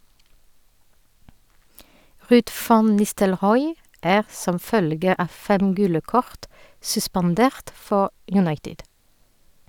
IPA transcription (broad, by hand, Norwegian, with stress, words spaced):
ˈʁʉːd ˈfɑn nɪstəlˈʁɔʏ ˈæːʁ ˈsɔm ˈfœlɡə ˈɑː ˈfɛm ˈɡʉːlə ˈkɔʁt sʉspɑnˈdeːʁt ˈfɔ jʉˈnɑɪtɪd